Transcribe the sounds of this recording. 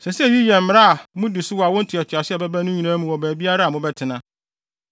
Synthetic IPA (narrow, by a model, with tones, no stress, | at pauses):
sɛ˨sɪ˦ɛ˦˨ji˦jɛ˨m̩ː˨˦˨a˦a˨mʊ̃˦dɪ˨sʊ˦wɔ˨a˨wɔ̃˦n̩˦tʰɪ˨ɛ˨t͡ɕʰɪ˨a˨sɪ˦ɛ˨bɛ˦bæ˦nʊ̃˦ɲĩ˨nãː˦mũ˨wɔ˨bæː˨bi˦a˦ɾa˦a˨mʊ̃˦bɛ˦tʰɪ˨nã˦